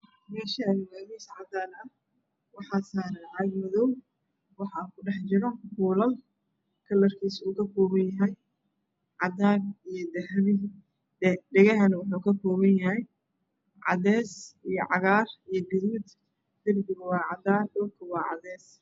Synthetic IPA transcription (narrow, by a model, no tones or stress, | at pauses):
mɛːʃɐɪmaːðisʕɑd̪aːnɐ | wɑħɑːsaːɾɐʕaːɡmɐðɔw | wɑħɑkʰʊɖɛħt͡ʃɪɾɔkuːlɐl | kʰɐlːɐrkʰiːsuːkʰɐkʰɔːβɐnjɐɦɛj | ʕɑd̪aːnijɔd̪ɐɦmɪ | ɛɖɛɣɐɦɐnɐwɑħuːkʰɐkʰɔːβɐnjɐɦɛj | ʕɑ̰ðɛːsijɔ̰ʕɑ̰ɣaːrijɞɡɪðuːd̪ | d̪ɪrbɪɣwɑːʕɑd̪aːnɖɔlkʰɐwɑːʕɑ̰ðɛːs